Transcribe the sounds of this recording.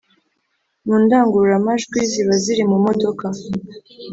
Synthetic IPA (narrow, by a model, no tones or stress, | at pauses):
muːndaːŋɡuɾuɾamaʒɡwiziβaziɾimumo̞do̞ka